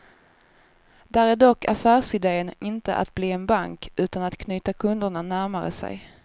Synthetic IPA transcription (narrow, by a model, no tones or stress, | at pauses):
d̪̥æɾæɖɔkʰːa̰fæːʂɪd̪eːənɪnt̪ə̰ʔa̰t̪̚bliːɛnbaŋkʉ̟ːt̪anat̪kʰnyːt̪akʰɵnd̪əɳanæɾmaɾə̰sɛ̰j